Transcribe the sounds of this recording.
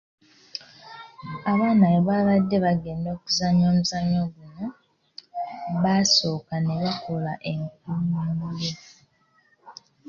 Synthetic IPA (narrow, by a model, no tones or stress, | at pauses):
aβaːnaːβoβaβadːe̞βaɡe̞ːndo̞ːkuzaɲo̞ːmuzaɲoɡuno̞ | βaso̞ːkane̞βakolaʔe̞ŋk̚uimuje